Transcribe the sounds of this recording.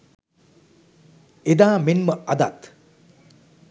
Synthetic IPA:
ed̪aːmenməɐd̪a̰t̪

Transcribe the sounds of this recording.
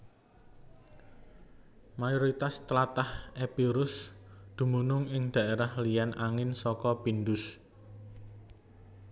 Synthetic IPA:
majɔɾit̪ast̪əlat̪ahepiɾʊsd̪̥ṳmunʊŋɪŋd̪̥a̤ʔeɾahlijanʔaŋɪnsɔkɔpind̪ʊs

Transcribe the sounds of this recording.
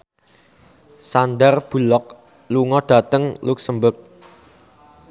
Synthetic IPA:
sand̪ərb̥ṳlɔk̚ | luŋɔɖ̥a̤t̪əŋluk̚səmbək̚

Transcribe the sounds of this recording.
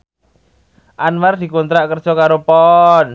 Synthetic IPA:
ʔanmard̪̥i̤kunt̪ɾaʔkərd̥ʒ̥ɔkaɾopɔn

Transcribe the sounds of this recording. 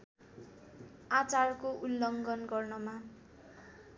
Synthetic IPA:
at͡sarkoʔulːʌŋɡʌnɡʌrnʌma

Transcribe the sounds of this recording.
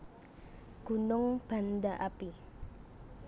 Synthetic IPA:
ɡ̥unʊŋb̥a̤ndaʔapi

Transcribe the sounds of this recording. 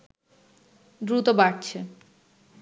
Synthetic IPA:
d̪ɾut̪obaɾt͡ɕʰe

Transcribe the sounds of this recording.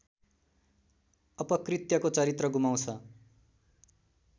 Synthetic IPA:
ʌpʌkrit̪jʌkot͡sʌɾit̪rʌɡumaw̃t͡sʰʌ

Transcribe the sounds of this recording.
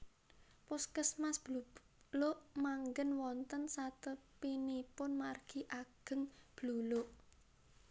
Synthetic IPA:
pʊskəsmasb̥lu | loʔmaŋɡənwɔnt̪ənsat̪əpinipʊnmarɡ̥i̤ʔaɡ̥əŋb̥luloʔ

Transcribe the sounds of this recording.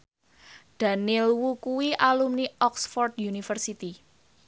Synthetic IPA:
d̪̥a̤nɪlwukuwiʔalumniʔɔksfɔrd̪junifərsit̪i

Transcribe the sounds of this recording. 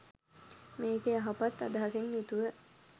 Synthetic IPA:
meːkeaɦapat̪ːa̰d̪aɦasinjut̪uʋə

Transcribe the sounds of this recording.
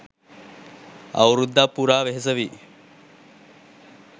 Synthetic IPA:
a̰wɾud̪ːapːuɾaːʋeɦes̬əʋiː

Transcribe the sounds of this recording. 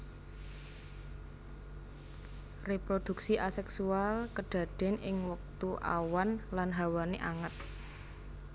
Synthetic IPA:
repɾod̪̥ṳksiʔasɛksualkəɖ̥ä̤ɖ̪̥ɛ̤nɪŋwək̚t̪uʔa̰wanlanɦawaneʔaŋət̪̚

